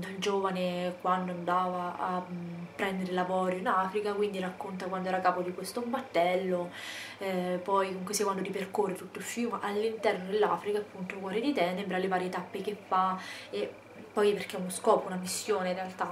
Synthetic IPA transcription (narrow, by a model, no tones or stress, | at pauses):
d̪ild͡ʒoːvanekwand̪oand̪aːvaapːɾɛnd̪eɾelavɔːɾjoinaːfɾikakwind̪irakːont̪̬akwand̪oɛːɾakaːpod̪ikwest̪ombat̪ːɛlːo | pɔjkomuŋkesikwand̪oɾiperkorːet̪ut̪ːoilfjuːmʔalːint̪ɛrnod̪elːaːfɾikaːpːunt̪okwɔːɾed̪it̪ɛːnebɾalevaːɾjiet̪apːekefae | pːɔjperk̟eunoskɔːpounamisːjoːneɾealt̪a